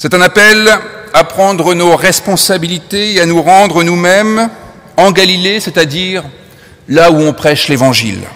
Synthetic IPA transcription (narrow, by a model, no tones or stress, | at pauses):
sɛt̪ɛ̃napɛlapχɑ̃d̪ʁənoʁɛspɔ̃sabilit̪eeanuʁɑ̃d̪ʁənumɛm | ɑ̃ɡalilesɛt̪ad̪iʁ | lauɔ̃pχɛʃlevɑ̃ʒḭl